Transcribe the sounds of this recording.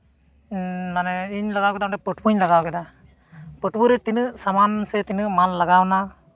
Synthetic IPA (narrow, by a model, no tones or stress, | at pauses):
naneiɲlɐɡaːwkɛd̪aɳʈepəʈwuɲlɐɡaːwkɛd̪a | pəʈwuɾet̪inɨsɐmaːnset̪inɨmanlɐɡaːwna